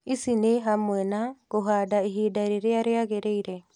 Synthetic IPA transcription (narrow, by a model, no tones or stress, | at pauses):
isineɦamwɛnaɣoɦadaiɦidaɾeɾeaɾeaɣeɾeiɾɛ